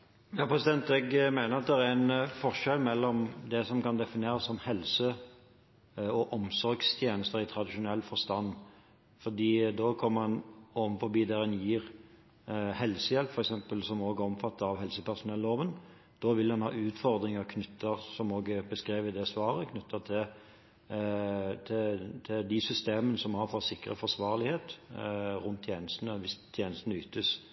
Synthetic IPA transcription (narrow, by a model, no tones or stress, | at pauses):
jɑːpʰɾɛsɪd̪ɛnt̪ɛɡmæɪnəɾɑt̪̚d̪ɛɾæænfɔʁʂɛlmɛlːɔmd̪ɛsɔmkɑnd̪ɛfɪneːɾɑsːɔmhɛlsə | ɔʔɔmsɔɾɡst̪ʰjeːnəst̪əɾɪt̪ʰɾɑd̪ɪʂʊnɛlːfɔɾst̪ɑnː | fɔɾd̪iːd̪ɔkʰɔmːəɑnɔmfɔɾbiːd̪ɛɛnjiːʁ | hɛlsəjɛlpfɔɾɛksɛmpəlsɔmoːɡəɔmfɑt̪ːəɑʋhɛlsəpʰæʁsʊnɛlːoːʋən | d̪̥ɔːʋɪlːɛnhɑ̰ːʉːt̪fɔɾd̪ɾɪŋəkʰnʉt̪ʰːəʁsɔmoːɡəbəskɾiːʋəd̪ɛsʋɑːɾəkʰnʉt̪ʰːət̪ʰɪ | t̪ʰɪt̪ʰɪld̪ɪsʏst̪eːmənəsɔmhɑfɔsɪkːʁə̰fɔsʋɑːʁlɪheːt̪ | ʁʊnt̪ʰːjeːnəst̪ənəʋɪst̪ʰjeːnəst̪ənəʉːt̪əs